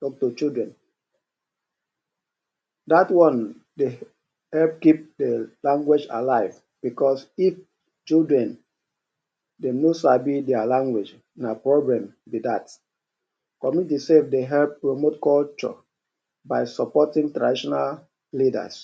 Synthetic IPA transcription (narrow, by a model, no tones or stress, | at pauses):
tɔk̚tut͡ʃidɹɛ̃n | datwɔ̃n | de | hɛlp̚kip̚delãŋɡwed͡ʒa̰laɪv | b̥ikɔsif | t͡ʃildɹɛ̃n | dɛ̃nosabidɛalãŋɡwed͡ʒ | napɹoblɛ̃m | bidat | kɔmitisefdeɦɛlpːɹomotkɔlt͡ʃɔ̰ | baɪsɔpɔtĩŋtɹadiʃɔnal | lida̰s